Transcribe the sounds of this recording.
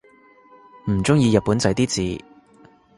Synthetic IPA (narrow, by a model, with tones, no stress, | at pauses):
m̩˨˩t͡sʊ˥ŋjiː˧jɐ˨t̚pːuː˨˥nt͡sɐ˨˧˥jt̪iː˥t͡siː˨˧